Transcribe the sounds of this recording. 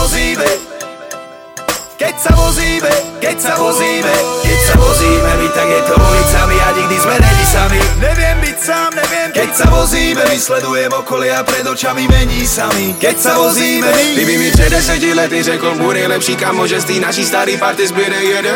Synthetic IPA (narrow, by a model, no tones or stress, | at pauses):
ɔziːmɛ | kɛcsavɔziːmɛkɛcsaɔziːmɛkɛcsapɔziːmɛit̪aɡjɛt̪ɔɔbisamiaɲɛɡ̚d̪izmɛd̪ɛɲisamiɲɛvɪɛmbicsaːmɲɛvɪɛmkɛcsamɔziːmɛvislɛd̪ujɛmɔkɔlɪaapɾɛd̪ɔt͡ʃamimɛɲisamikɛcsaɔziːmɛt̪ibivit͡ʃɛd̪ɛsɛcilɛt̪iɾɛkɔlbunɛjlɛpʃiːkamːɔʒɛst̪iːnaʃist̪aɾipaɾt̪ɛzbɛɾɛɛɾ